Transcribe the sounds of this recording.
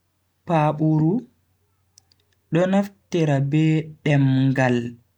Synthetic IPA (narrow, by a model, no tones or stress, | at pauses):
paɓuɾu | ɗɔnaftɛɾabɛɗɛmŋɡal